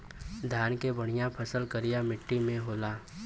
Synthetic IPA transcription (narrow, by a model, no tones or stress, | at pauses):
d̪ʱjaːnkebəɽ̃ɪjãpʰəsəlkəɾɪjamɪʈːimẽɦoːlaː